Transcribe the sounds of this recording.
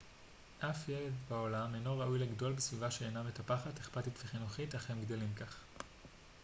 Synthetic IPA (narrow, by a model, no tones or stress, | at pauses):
ʔafjeledbao̞lamejnoʁaʔujleɡdo̞lbesvivaʃeenametapaχateχpatitveχinuχitaχemɡdelimkaχ